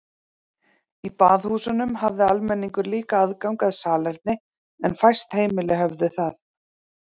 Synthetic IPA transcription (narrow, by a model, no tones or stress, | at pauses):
ipaːðhuːsʏnʏmhavðɪalmɛnːiŋkʏɾliːkaaðkawŋkaðsaːlɛɾt̪̚nɪ | ɛnfajst̪heːjmɪlɪɦœvðʏθaθ